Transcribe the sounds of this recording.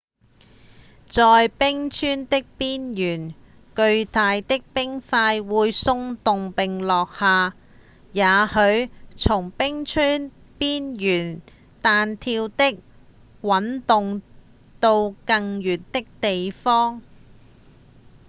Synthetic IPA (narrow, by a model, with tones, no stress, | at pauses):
t͡sɔː˨jpɪ˥ŋt͡ʃʰyː˥nt̪ɪ˥k̚piː˥njyː˨˩n | kɵ˧ɥt̪aː˨˧jt̪ɪ˥k̚pɪ˥ŋfaː˧jwuː˨˧jsʊ˧ŋt̪ʊ˨ŋpɪ˨ŋlɔː˨k̚haː˨˧ | jaː˨˧˥hɵ˨˧ɥt͡sʰʊ˨˩ŋpɪ˥ŋt͡ʃʰyː˥n | piː˥njyː˨˩n | t̪aː˨˧nt̪ʰiː˧wt̪ɪ˥k̚ | wɐ˨˥nt̪ʊ˨ŋ | t̪o˧wkɐ˧ŋjyː˨˩nt̪ɪ˥k̚t̪e˨jfɔː˥ŋ